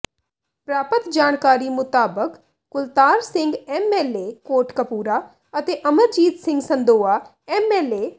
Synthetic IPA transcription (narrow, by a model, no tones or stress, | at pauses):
pɾaːpət̪d͡ʒaːnkaːɾiːmʊt̪aːbəkː | ʊlt̪aːɾsɪ̃ŋɡɛmɛːleːkoːɾʈkəpuːɾaː | ət̪eːʔəməɾd͡ʒiːd̪sɪ̃ŋɡsə̃nd̪oːaː | ɛmɛːleː